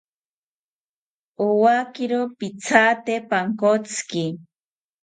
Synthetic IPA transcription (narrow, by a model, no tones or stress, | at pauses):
owakɪɾopit͡sʰat̪epaŋkot͡ski